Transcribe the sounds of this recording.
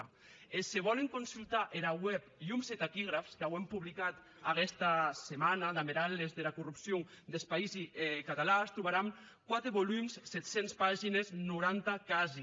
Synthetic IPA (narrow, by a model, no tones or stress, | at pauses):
eseβɔleŋkonsulˠt̪aʔeɾawɛpiumset̪akiɣ̞ɾafskawempuβlikat̪ | akɛst̪asemanaðameɾalezðelakurupsjo | d̪elspaizikat̪alast̪ɾuβaɾam | kwat̪ɾeβolumssɛt̪senspaʒineznuɾant̪akazi